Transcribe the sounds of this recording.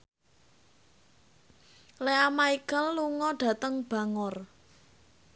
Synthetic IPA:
leamaiɡ̥alːuŋɔɖ̥a̤t̪əŋb̥a̤ŋʊr

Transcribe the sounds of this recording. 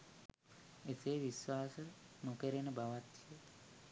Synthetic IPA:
et̪eːʋiswaːsənukəɾenəbaʋat̪ːie

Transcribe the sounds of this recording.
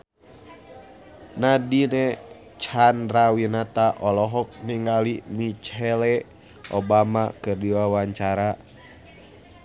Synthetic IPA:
nadinɛ | t͡ʃandɾawinat̪aʔɔlɔɦɔk̚niŋɡalimit͡ʃɛlɛ | ʔɔbamakɨrdiwawaɲt͡ʃaɾa

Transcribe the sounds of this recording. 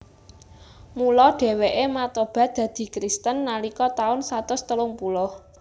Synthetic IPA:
mulɔɖ̥e̤weʔemat̪ob̥ä̤d̪̥ä̤d̪̥i̤kɾist̪ənːalikɔt̪aʊnsat̪ʊst̪əlʊŋpulɔ

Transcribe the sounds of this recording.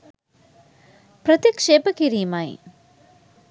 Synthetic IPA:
pɾɐt̪jɐkʂeːpɐkiɾiːmaj̰

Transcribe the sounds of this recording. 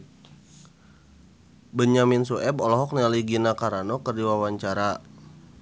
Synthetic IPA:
bəɲaminsuʔɛbɔlɔɦɔk̚nialiɡinakaɾanɔkərdiwawaɲt͡ʃaɾa

